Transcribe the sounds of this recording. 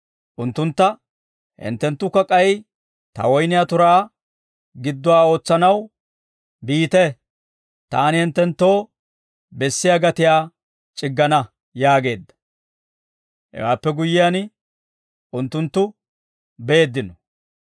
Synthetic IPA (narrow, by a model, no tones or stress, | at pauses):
ʔʊnt̪ːʊnt̪ːɐ | hɪ̰nt̪ːɛnt̪ːʊkːɐkʼɐj | t̪ɐ̰wɔjnɪjat̪ʊɾaː | ɡɪd̪ːʊwaːo̞ːt͡sːɐnɐw | biːt̪ɛ | t̪aːnɪhɪnt̪ːɛnt̪ːo̞ː | bɛsːɪjaːɡɐt̪ɪjaː | t͡ʃʼɪɡːɐnɐ | jaːɡe̞ːd̪ːɐ̥ | hɛ̰waːpːɛɡʊjːɪjan | ʔʊnt̪ːʊnt̪ːʊ | beːd̪ːɪnɔ